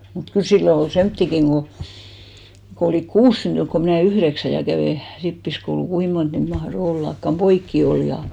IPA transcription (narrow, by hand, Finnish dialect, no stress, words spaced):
mut kyl silːo ol semtːikiŋ ɡ̊o ko oliˑk kuːs syntyŋk ko mĭnæˑ yhðeksæ jɑ kæʋeˑ ripːiskoulu kui mont niːt mɑhro olːɑkːɑm poikːi ol jɑ